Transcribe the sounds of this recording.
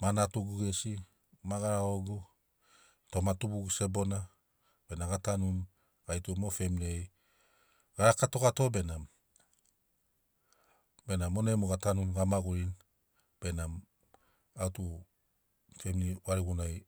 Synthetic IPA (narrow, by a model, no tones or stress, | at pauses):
manatuɡuɡesi | maɡaɾaoɡu | to̞matubuɡuse̞bo̞na | b̥e̞naɡatanun | ɡajtumofe̞miniej | ɡ̥aɾakato̞kato̞be̞nam | be̞namo̞nemoɡatanunɡamaɡuɾin | b̥e̞nam | autu | feminiwaɾiɡunaj